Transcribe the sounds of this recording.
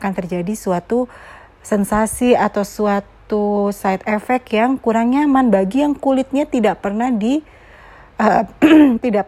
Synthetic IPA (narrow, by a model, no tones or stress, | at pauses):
kant̪ərd͡ʒadisuat̪u | sɛnsasiat̪awsuat̪usajt̪̚efɛkjaŋkuɾaŋɲamanbaɡijaŋkulɪt̪̚ɲat̪idaʔpərnahdi | ət̪idaʔ